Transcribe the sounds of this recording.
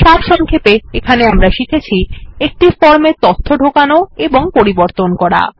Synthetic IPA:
ʃabʃɔŋkʰepeekʰaneamɾaʃikʰet͡ɕʰiek̚ʈifɔɾmeɾt̪ot̪ʰːoɖʱokanoeboŋpoɾiboɾt̪onkɔɾa̰

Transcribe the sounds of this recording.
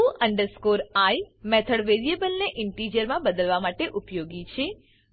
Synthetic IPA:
uʔəɳɖəɾskoɾajmet̪ʰəɽʋeɾiebəlneʔɪɳʈid͡ʒəɾmãbəd̪əlʋamaʈeʔupjoɡit͡ʃʰe

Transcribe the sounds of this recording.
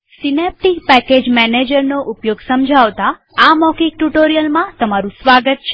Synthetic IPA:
sinep̚ʈikpɛked͡ʒmɛned͡ʒəɾnoʔupjoɡsəmd͡ʒʱaʋt̪a | amɔkik̚ʈuʈoɾijəlmãt̪əmaɾũsʋaɡət̪̚t͡ʃʰe

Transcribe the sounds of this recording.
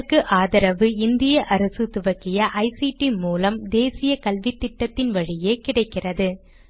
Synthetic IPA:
kːɯʔaːðɐɾɐʋɯɪnd̪ɪjɐʔɐɾɐsɯt̪ʊʋɐkɪjɐʔɐɪsiʈimuːlɐmd̪eːsɪjɐkɐlʋɪt̪ːɪʈːɐt̪ːɪnʋɐɻɪjeːkɪɽɐɪkːɪrɐðɯ

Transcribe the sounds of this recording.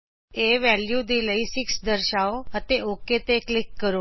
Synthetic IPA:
eʋɛljud̪iləisɪksd̪əɾʃaoət̪eʔoket̪eklɪkːəɾo

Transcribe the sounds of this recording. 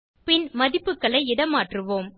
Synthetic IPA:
pɪnmɐðɪpːɯkːɐɭɐɪɪɽɐmaːʈrɯʋoːm

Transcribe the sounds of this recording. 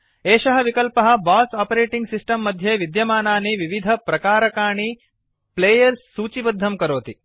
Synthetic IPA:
eːʃɐɦɐʋikɐlpɐɦɐ̆baːsaːpɐɾeːʈiŋɡsisʈɐmːɐd̪ʱjeʋid̪jɐmaːnaːniʋiʋid̪ʱɐpɾɐkaːɾɐkaːɳi | pleːjɐɾsːuːt͡ʃibɐd̪ʱːɐmkɐɾoːt̪i

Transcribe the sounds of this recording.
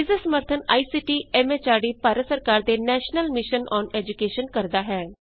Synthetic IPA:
bɪzəsəməɾt̪ʰəna̰ːiːsiːʈiːɛːmeːt͡ʃaːɽiːpaːɾət̪səɾkaːɾd̪eːnɛːʃnəlmɪʃənɔːnɛːd͡ʒʊkeːʃənkəɾd̪aːɦɛː

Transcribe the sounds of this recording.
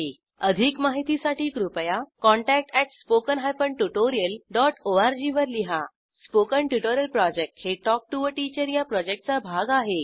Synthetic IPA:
e | əd̪ʱiːkmaɦit̪isaʈiːkɾupəjakɔ̃ɳʈæk̚ʈɛʈspokənɦajpəɳʈuʈoɾijəlɖɔʈoaɾd͡ʑiʋəɾliɦa | spokəɳʈuʈoɾijəlpɾɔd͡ʑek̚ʈheʈɔk̚ʈuʋəʈit͡ɕəɾjapɾɔd͡ʑek̚ʈ̚t͡sabʱaɡaɦe

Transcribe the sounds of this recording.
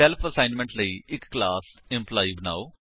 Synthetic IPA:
ɛlpʰəsãːɪnmə̃ɳʈləiːɪkːlaːsɪ̃mplaːibəna̰ːoː

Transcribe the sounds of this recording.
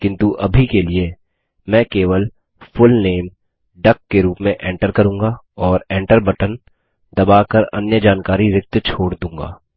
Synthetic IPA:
kɪ̃nt̪uʔɐbʱikelie | mɛ̃ːkeːʋəl | fʊlneːm | ɖɐkːeɾuːpmẽʔɛ̃ːɳʈəɾkɐɾũːŋɡa | ɔːɾẽːɳʈəɾbɐʈən | d̪ɐbaːkɐɾɐ̰njəd͡ʒaːnkaːɾiɾɪk̚t̪t͡ʃʰoːɽd̪ũːŋɡa̰ː

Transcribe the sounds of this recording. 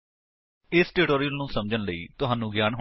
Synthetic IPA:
ɪsʈɪʈoːɾijəlnũːsəmd͡ʒənləḭːt̪ʊɦaːnːũːɡjaːnɦ

